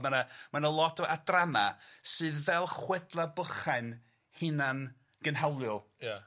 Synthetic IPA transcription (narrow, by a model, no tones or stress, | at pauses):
manamanalˠɔtɔʔadramasɨːðvɛlˠχwɛdlˠabəχaɨn | hɨnan | ɡ̥ənɦawlˠjɔlˠja